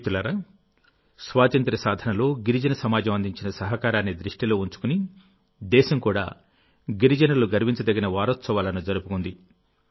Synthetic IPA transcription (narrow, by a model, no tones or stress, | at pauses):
t̪ulɐɾɐ | sʋaːt̪ɐnt̪ɾɐsaːd̪ʱɐnɐlo̞ːɡiɾid͡ʒɐnɐsɐmaːd͡ʒɐmɐnd̪ʱiɲt͡ʃinɐsɐɦɐkaːɾaːnːid̪ɾiʂʈilo̞ːuɲt͡ʃu̥kuni | d̪ɛːʃɐmkuːɽa̰ː | ɡiɾid͡ʒɐnɐluɡɐɾʋiɲt͡ʃɐd̪ɐɡinɐʋaːɾot̪sɐʋaːlɐnud͡ʒɐɾupukund̪i